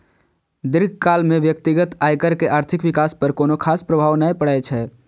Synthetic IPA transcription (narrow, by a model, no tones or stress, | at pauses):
d̪iɾɡʱkalmeʋjəkt̪iɡət̪ajkəɾkeʔaːɾt̪ʰikʋikaspəɾkoːnokʰaspɾəbʱaːʋnajpəɽɛt͡ʃʰɛ